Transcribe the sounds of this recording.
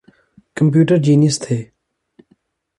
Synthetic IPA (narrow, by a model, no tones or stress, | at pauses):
kəmp̬juːʈəɾd͡ʒiːnjəst̪ʰeː